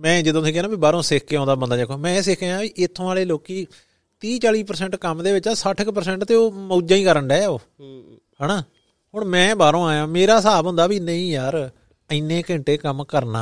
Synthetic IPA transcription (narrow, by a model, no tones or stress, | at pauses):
mɛ̃ːd͡ʒɪd̪õːsẽːkɛːnãːbiːbaːɾõːsɪkʰkeːõːnd̪aːbənd̪aːd͡ʒaːkʰːoːmɛ̃ːeːs̬ɪkʰeːãːʋiːʔɪt̪ʰːõːaːleːloːkiː | t̪iːt͡ʃaːliːpəɾsɛ̃ːɳʈkəmd̪eːbɪt͡ʃasəʈʰɪkpəɾsɛ̃ːɳʈt̪eːoːmoːd͡ʒãːĩːkəɾəɳɖɛːoː | ɦɛːnaː | ɦʊɳmɛ̃ːbaːɾõːaːjãːmeːɾaːsaːbɦʊ̃nd̪aːbiːnəĩːjaːɾ | ənːẽːkɪ̃ɳʈeːkəmkəɾna̰ː